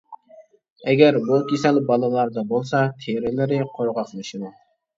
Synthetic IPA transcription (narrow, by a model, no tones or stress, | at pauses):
ɛɡʲɛɾbukʲʰesɛlbɑlˠɨlˠɑɾd̪ɑbolˠsɑt̪ʰeɾɪlɪɾɪqʰoɾʁɑχmɨʃid̪u